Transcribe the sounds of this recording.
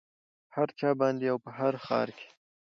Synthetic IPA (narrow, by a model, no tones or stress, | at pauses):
haɾt͡ʃɑbɑnd̪ejawpəɦaɾxɑ̰ɾke̥